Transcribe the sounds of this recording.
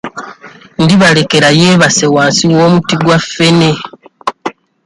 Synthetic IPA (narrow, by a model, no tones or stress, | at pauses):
ndiβale̞ke̞ɾaje̞ːβase̞waːnsiwoːmutiɡwafe̞ne̞